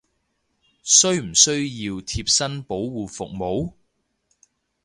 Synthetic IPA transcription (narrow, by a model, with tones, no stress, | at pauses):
sɵ˥ɥm̩˨˩sɵ˥ɥjiː˧wt̪ʰiː˧p̚sɐ˥npo˨˥wwuː˨˩fʊ˨k̚mo˨˥w